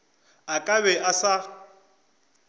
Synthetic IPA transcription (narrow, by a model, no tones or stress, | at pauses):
akʼaβɛʔasa